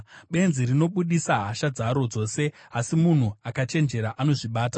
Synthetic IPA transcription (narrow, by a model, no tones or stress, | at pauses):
ɓe̞nziɾino̞ɓuɗisaɦaʃad͡zaɾo̞d͡zo̞ːse̞asimun̤uakat͡ʃe̞nd͡ʒe̞ɾaʔano̞ʐiɓaːta